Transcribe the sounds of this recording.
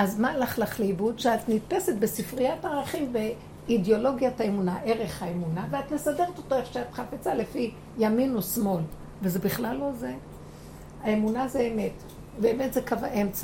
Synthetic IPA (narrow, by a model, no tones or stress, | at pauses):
azmalaχlaχleibudʃeat̪nit̪pesetbesifʁijataʁaχimbe | idjo̞lo̞ɡjataemunaʔeʁe̞χhaemunaveat̪nesade̞ʁet̪otoeχʃeat̪χafet͡sale̞fi | jaminosmo̞l | vezebiχlalːo̞ze | aemunazeːmet | beːme̞tzekavaʔemt͡sa